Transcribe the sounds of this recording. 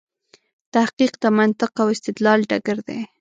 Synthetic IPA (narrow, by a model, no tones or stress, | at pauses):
t̪ahqiqd̪amant̪ɪqawɪst̪ɪd̪lɑlɖaɡaɾd̪e